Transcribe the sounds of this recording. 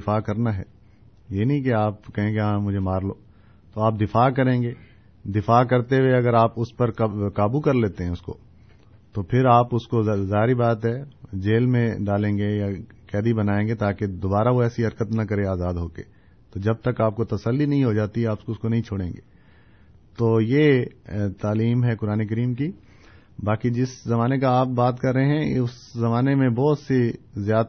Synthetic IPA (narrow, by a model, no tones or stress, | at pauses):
faːkɐɾnaɦɛ̰ː | jeːnɐɦĩkeaːpkɐɦẽɡeɦãːmʊd͡ʒʱemaːɾloː | t̪oaːp̚d̪ɪfaːkɐɾẽːŋɡeː | d̪ɪfaːkɐɾt̪eweɐɡəɾaːpʊspɐɾkaːbukɐɾleːt̪eɦɛ̃ʊsko̰ː | t̪opʰɪɾaːpʊskozaːɦɾibaːt̪ɦɛd͡ʒeːlmẽɖaːlẽːŋɡeja | kɛːd̪ibɐnaːẽːŋɡet̪aːked̪oːbaːɾaʋoɛːsiɦɐɾkət̪nɐkɐɾeaːzaːd̪ɦoːkḛː | t̪oːd͡ʒɐb̚t̪ɐkaːp̚kot̪ɐsəlːinɐɦĩɦod͡ʒaːt̪iɦɛaːpʊ̥skoʊskonɐɦĩt͡ʃʰoːɽẽːŋɡḛː | t̪oːjeːt̪aːliːmɦɛkʊɾaːnek̬ɐɾiːmk̬i | baːkid͡ʒɪszɐmaːnekaaːp̚baːt̪kɐɾːəɦeɦɛ̃ʊszɐmaːnemẽbɔːt̪sezjaːd̪